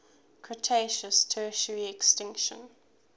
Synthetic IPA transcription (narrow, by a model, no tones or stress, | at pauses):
kʰɹətʰeɪʃəstʰɜːˑʃəɹiɛkstɪ̃ŋkʃə̰̃n